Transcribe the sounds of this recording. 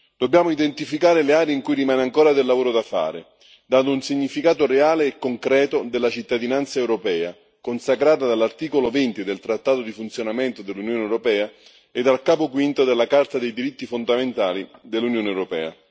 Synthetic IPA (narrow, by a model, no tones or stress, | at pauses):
d̪̥objaːmoid̪ent̪ifikaːɾeleaːɾeiŋkujrimaːneaŋkoːɾad̪elːavoːɾod̪afa̰ːɾɪ̰ | d̪and̪ʊunsiɲːifikaːt̪oreaːleːkːoŋkɾɛːt̪od̪elːat͡ʃit̪ːad̪inant̪saewɾopɛːa | konsakɾaːt̪ad̪alːart̪iːkolovent̪id̪elt̪ɾat̪ːaːt̪od̪ifunt̪sjonament̪od̪elːunjoːnɛwɾopɛːa | ed̪ːalkaːpokwint̪od̪elːakart̪ad̪ejd̪iɾit̪ːifond̪ament̪aːlid̪elːunjoːneɛwɾopɛ̰ːa̰